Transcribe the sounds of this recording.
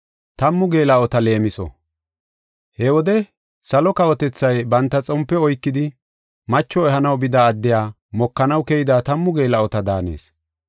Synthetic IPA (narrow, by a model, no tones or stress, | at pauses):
t̪ɐmːʊɡe̞ːlɐɔt̪ɐle̞ːmɪsɔ̰ | hɛwɔd̪ɛ | sɐlɔkɐwɔt̪ɛt͡sːɐjbɐnt̪ːɐt͡sʼɔmpːɛɔjkːɪd̪ɪ | mɐt͡ʃːɔɛɦɐnɐwbɪd̪aːd̪ːɪjaː | mɔkːɐnɐwkɛjɪd̪aːt̪ɐmːʊɡe̞ːlɐɔt̪ɐd̪aːnḛːs